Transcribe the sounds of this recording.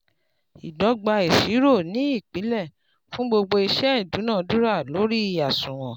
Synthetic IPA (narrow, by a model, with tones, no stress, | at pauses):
i˨dɔ˨˧˦ɡ͡ba˧i˨ʃi˨˦ɾo˦˨nĩ˨˦i˦˨k͡pi˨˦lɛ˦˨ | fũ˦ɡ͡bo˧ɡ͡bo˧i˧ʃɛ˦i˦˨du˨˦nãː˦˨du˦ɾa˦˨lo˨˦ɾi˦i˧a˨sũ˨w̃ɔ̃˨